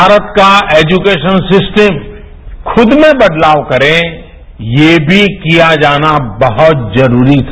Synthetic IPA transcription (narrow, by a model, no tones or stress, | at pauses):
bʱaːɾət̪kaeːd͡ʒukeːʃənsɪsʈəm | kʰʊd̪mẽbɐd̪laːʋkɐɾẽ | jeːbʱikijad͡ʒaːnabɐɦʊt̪zɐɾuːɾit̪ʰa